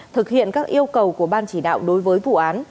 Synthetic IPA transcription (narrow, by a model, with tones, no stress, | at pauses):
t̪ʰɨ˨˩k̚hḭ˧˨ənkaː˦˥k̚ʔi˧əwkə˨˩wku˧˩əɓaː˧nt͡ɕi˧˩ɗa̰ː˧˨wɗo˨˦jvəː˨˦jvṵ˧˨ʔaː˨˦n